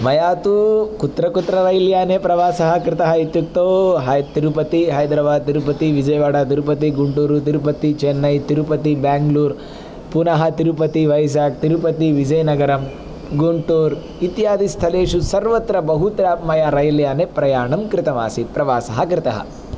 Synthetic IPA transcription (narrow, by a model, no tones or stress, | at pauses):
mɐjaːt̪ukut̪ɾɐkut̪ːɾɐɾɐjljaːnepɾɐʋaːsɐɦɐkɾɪt̪ɐɦɐit̪ːuk̚t̪oːɦɐjt̪iɾupɐt̪iɦɐjd̪ɾɐʋaːd̪̚t̪iɾupɐt̪iʋid͡ʒɐjʋaːɽaːt̪iɾupɐt̪̬iɡuɳʈuːɾut̪̬iɾupɐt̪it͡ʃenːɐjt̪iɾupɐt̪ibaːŋɡluːɾ | punɐɦɐt̪iɾupɐt̪iʋɐjs̬aːk̚t̪iɾupɐt̪iʋid͡ʒɐjnɐɡɐɾɐm | ɡuɳʈuːɾ | it̪jaːd̪ist̪ʰɐleːʂusɐɾʋɐt̪ɾɐbɐɦut̪ɾaːpmɐjaɾɐjljaːnepɾɐjaːɳɐmkɾɪt̪ɐma̰ːsipɾɐʋaːsɐɦɐkɾɪt̪ɐɦɐ̰